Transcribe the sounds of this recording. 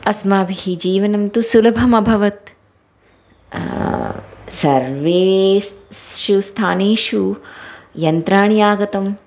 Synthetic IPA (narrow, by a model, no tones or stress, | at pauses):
ɐsmaːbʱiɦid͡ʒiːʋɐnɐmt̪usulɐbʱɐmɐbʱɐʋɐt̪ | sɐɾʋeːssʃust̪ʰaːneːʃu | jɐnt̪ɾaːɳijaːɡɐt̪ɐm